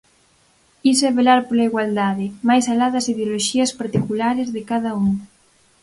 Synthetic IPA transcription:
is̬eβelaɾpolaiɣwald̪aðɪmajsalaðɐsiðeoloʃiɐspaɾt̪ikulaɾezðekað̞ɐuŋ

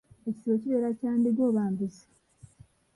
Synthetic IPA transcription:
eci̥siβociβe̞ːɾacaːndiɟoːβaːmbisḁ

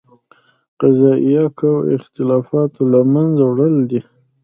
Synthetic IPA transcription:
qazɑʔijɑkawɪ̰xt̪ɪlɑfɑt̪olamanzawɽəld̪i

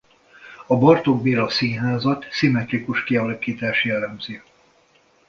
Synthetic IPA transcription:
ɒbɒrt̪oɡbiːɾɒsiːnɦaːzɒt̪simɛt̪rikuʃkiɒlɒkiːt̪aːʃjɛlɛmzi

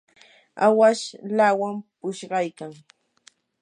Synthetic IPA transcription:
awaʃlawampʊʃɢɑjkaŋ

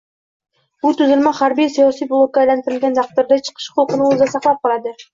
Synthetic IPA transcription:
b̥ut̪ʉzɪlmɑχaɾbijsijɒsijblˠokːajlænt̪ɪɾɪlɡʲænt̪ʰɑq̚t̪ʊɾd̪ɑt͡ʃʰə̥qʰə̥ʃqʊlˠqənɪɵzd̪ɑsɑqlˠɑp̚qʰɑlˠɑd̪ɪ

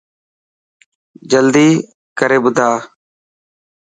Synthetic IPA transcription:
d͡ʒəld̪iː | kəɾeːbʊd̪ʱaː

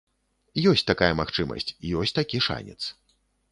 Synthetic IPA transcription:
jɔsʲt̪akajɐmaxt͡ʂɨmɐ̰sʲt͡sʲijɔsʲt̪akʲiʂa̰nʲɛ̰t̪s

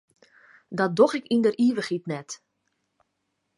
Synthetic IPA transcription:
dɔt̚doxɪkindəriːʋəxitnɛt

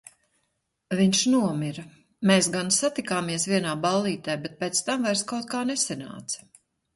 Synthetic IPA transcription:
viɲʃnuɔmiɾa | meːsɡansat̪ikaːmiɛsviɛnaːbalˠːiːt̪ɛjbɛt̪̚pɛːt̪st̪amvajɾskawt̪̚kaːnɛsɛna̰ːt̪s

